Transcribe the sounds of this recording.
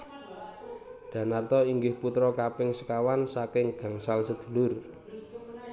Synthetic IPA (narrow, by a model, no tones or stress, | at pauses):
ɖ̥ä̤nart̪ɔiŋɡɪhput̪ɾɔkapɪŋsə̥kawansakɪŋɡ̥ä̤ŋsalsəd̪̥ṳlʊr